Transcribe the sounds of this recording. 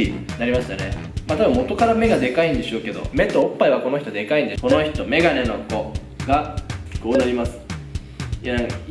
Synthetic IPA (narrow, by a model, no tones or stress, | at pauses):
inaɾʲimaɕi̥t̪ane̞ | mat̪abɯ̃mːo̞t̪o̞kaɾame̞ɡad̪e̞kaĩnd̪e̞ɕo̞ːke̞d̪o̞̰me̞t̪ːo̞opːaiβakono̞çi̥t̪od̪e̞kaĩnd̪e̞ko̞no̞çi̥t̪o̞me̞ɡane̞no̞ko̞ | ɡakʲi̥koːiaɾʲimasɨ̥ | janãŋka